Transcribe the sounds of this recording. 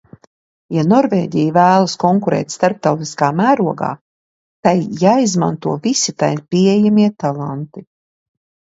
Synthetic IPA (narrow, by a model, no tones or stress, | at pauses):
janɔɾvḛːɟʲijvæːlˠaskɔŋkuɾɛ̰ːt̪ʲst̪aɾp̚t̪awt̪iskaːmæːɾuɔɡa̰ː | t̪ajːaːizma̰nt̪uɔvisit̪ajpʲiejamiɛt̪alˠant̪i